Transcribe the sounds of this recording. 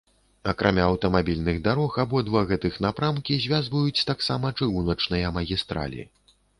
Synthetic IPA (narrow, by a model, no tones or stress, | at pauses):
ɐkɾamʲaɐwt̪ɐmabʲilʲnɨɣd̪aɾɔxabɔd̪vaɣɛt̪ɨxnapɾamkʲizʲvʲazvɐjut͡sʲt̪aksamɐt͡ʂɨɣunɐt͡ʂnɨjɐmɐɣʲist̪ɾa̰lʲḭ